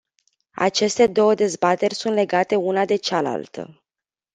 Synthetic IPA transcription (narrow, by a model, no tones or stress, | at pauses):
a̰t͡ʃe̞st̪e̞d̪o̞wəd̪e̞zbat̪e̞rʲsunt̪le̞ɡat̪e̞unad̪e̞t͡ʃala̰lt̪ʰə̰